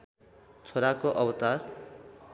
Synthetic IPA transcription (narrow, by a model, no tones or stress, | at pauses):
t͡sʰoɾakoʔʌbt̪ar